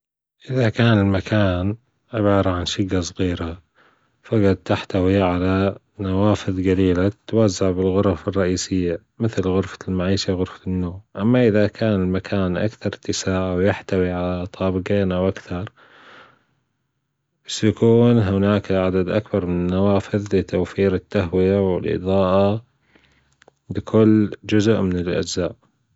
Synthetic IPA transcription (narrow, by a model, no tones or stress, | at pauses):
ʔɪðakaːnɪlmakʰaːn | ʕɪbɑːɾˤɑʕanʃʊɡːasˤɣiːɾa | faɡɑd̪̚t̪aħt̪awiʕala | nawaːfɪðd͡ʒaliːlat̪ːwazːaʕbɪlɣʊɾˤɑfɪrˤːɑʔiːsɪjːa | mɪθlɣʊɾfḁlmaʕiːʃawɣʊɾfḁnːoːmʔamːaʔɪðakʰaːnɪlmakʰaːnʔa̰kθɑɾˤt̪ɪsaːʕawjɪħt̪awiʕalat̪ˤʰɑːbɪɡeːnʔawʔakθɑɾˤ | b̥asːjakuːnɦʊnaːkʕad̪ad̪ʔakbɑɾˤmɪnɪnːawaːfɪðlɪt̪awfiːɾɪt̪ːaɦwɪjawɪ̰lʔɨ̰ðˤɑːʔa | bɪkʰʊlːd͡ʒʊzʔmɪnɪlʔa̰d͡ʒzaːʔ